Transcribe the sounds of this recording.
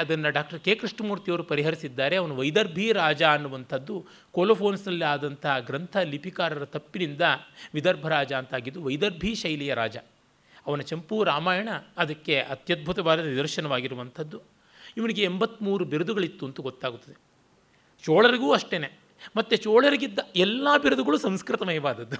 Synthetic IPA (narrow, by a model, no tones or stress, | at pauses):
ɐd̪ɐnːɐɖaːk̚ʈɐɾkeːkɾiʂɳɐmuːɾt̪ijɐʋɐɾupɐɾiɦɐɾisid̪ːaːɾe̞ɐʋɐnuʋɐjd̪ɐɾbʱiɾaːd͡ʒaːnːuʋɐnt̪ʰɐd̪ːu | koːlɐpʰoːnsd̪ɐlːiaːd̪ɐnt̪ʰɐɦɐɡɾɐnt̪ʰɐlipʰikaːɾɐɾɐt̪ɐpːinind̪ɐʋid̪ɐɾbʱɐɾaːd͡ʒɐːnt̪aːɡid̪ːuʋɐjd̪ɐɾbʱiʃɐjlijɐɾaːd͡ʒɐ | ɐʋɐnɐt͡ʃɐmpuːɾaːmaːjɐɳɐːd̪ɐkːe̞ɐt̪jɐd̪̚bʱut̪ɐʋaːd̪ɐɐnid̪ɐɾʃɐnɐʋaːɡiɾuʋɐnt̪ʰɐd̪ːu | iʋɐniɡe̞ːmbɐt̪ːmuːɾubiɾɐd̪uɡɐɭit̪ːuɐnt̪uɡot̪ːaːɡut̪ːɐd̪e | t͡ʃoːɭɐɾiɡuːɐʂʈeːne | mɐt̪ːet͡ʃoːɭɐɾiɡid̪ːɐɛlːaːbiɾɐd̪uɡɐɭusɐmskɾɪt̪ɐmɐjɐbaːd̪ɐd̪ːu